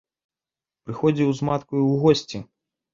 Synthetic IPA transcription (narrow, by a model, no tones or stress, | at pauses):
pɾɨxɔd͡zʲiwzmat̪kujiwɣɔsʲt͡sʲi